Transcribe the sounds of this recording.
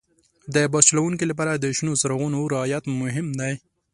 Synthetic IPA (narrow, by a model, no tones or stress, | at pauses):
d̪əbɑt͡ʃlawuŋkilap̬ɑɾad̪əʃnosaɾaɣunoɾɪɑjat̪mʊɦɪmd̪aj